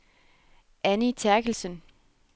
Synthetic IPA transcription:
ʔænit͡sʰæɐɡ̥l̩sən

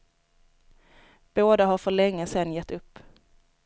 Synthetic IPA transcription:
b̥oːd̪aɦaɾfœɭɛŋːəsɛnːjɛt̪ːɵpː

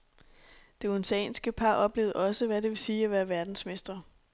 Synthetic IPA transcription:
d̥e̝onsɛ̰ːnsɡ̥əpʰɑ̈ːʔɒ̽b̥le̝̰ːʊðˠʔɒ̽səʋæde̝ʋe̝siːæʋæːɐʋæɐd̥n̩sme̝sd̥ɐ

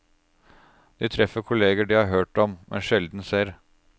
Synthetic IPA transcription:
d̪̥iːt̪ʰɾɛfəɾkʰʊleːɡəɖiːhɑɾɦøːʈɔmmʔɛ̰nʃɛld̪n̩seːɾ

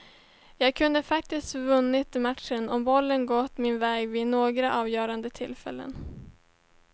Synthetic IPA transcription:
jɑːɡ̚kʰɵnd̪əfak̚t̪ɪskt̪vɵnːɪt̪mat̪ʂənɔmbɔlːənɡɔt̪ːmɪnvɛːɡvɪnoːɡɾaʔɑːvjœːɾand̪ət̪ʰɪlːfɛ̰lːə̰n

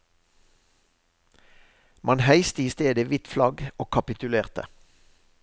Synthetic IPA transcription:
mʔɑnhæɪst̪əiːst̪eːd̪əʋɪt̪flɑɡoːkʰɑpɪt̪ʉleːʁt̪ə̰

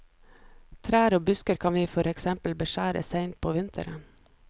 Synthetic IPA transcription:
t̪ʰɾæːɾoːbʉskəɾkʰɑnʋiːfɔɾɛksɛmpl̩bəʃæːɾə̰seɪnt̪̚pʰoːʋɪnt̪ʰə̰ɾən

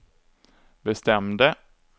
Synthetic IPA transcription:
bɛst̪ɛmd̪ə

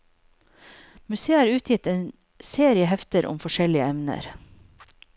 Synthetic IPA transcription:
mʉseːɑːɾʉːt̪ʰjɪt̪eːn | seːɾɪəhɛft̪əɾʔʊ̰mfɔʃɛlɪəɛmnə̰ɾ

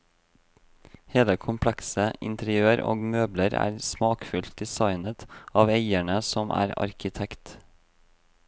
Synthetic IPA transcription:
heːləkʰʊmpʰlɛksəʔɪ̰nt̪əɾɪøːəɾo̰ːɡmøːbləɾæ̰ːɾsmɑːkfʉlt̪̚d̪ɪsɑɪnət̪ɑːʋeɪæɳəsɔmʔæ̰ːɾɑ̰ɾkɪt̪ʰɛkt̪

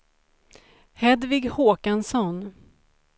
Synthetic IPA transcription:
hɛd̪vɪɡhoːkansɔn

